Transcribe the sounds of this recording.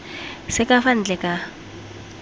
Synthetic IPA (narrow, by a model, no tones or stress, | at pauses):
sɛkʼafan̩d͡ɮɛkʼa